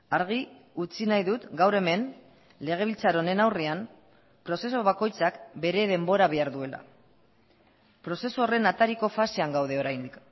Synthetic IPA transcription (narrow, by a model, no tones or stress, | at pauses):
aɾɣ̞i | ut͡sinajðut̪ɡawɾe̞me̞n | le̞ɣ̞e̞β̞ilt͡saɾo̞ne̞nawream | pɾo̞se̞so̞β̞ako̞jt͡sakbe̞ɾe̞ðe̞mbo̞ɾaβ̞eaɾðue̞la̰ | pɾo̞se̞suore̞nat̪aɾiko̞fase̞aŋɡawð̞e̞o̞ɾajnd̪ik